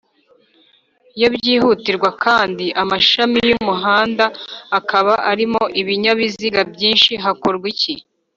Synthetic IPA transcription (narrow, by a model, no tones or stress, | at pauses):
jobɟiːhutiɾɡwakʰaːndiʔamaʃamijumuɦaːndaːkʰaβaʔaɾimo̞ʔiβiɲaβiziɡabɟiːnʃiɦakoɾɡwici